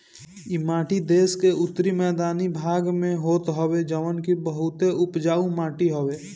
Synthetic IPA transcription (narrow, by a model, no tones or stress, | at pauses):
ɪmaːʈʰid̪eːskeʊt̪ːɾimɛːd̪aːnibʱaːɡmẽɦoːt̪ɦoed͡ʒəʋənkibəɦʊt̪eʊpd͡ʒaːũmaːʈiɦoʋeː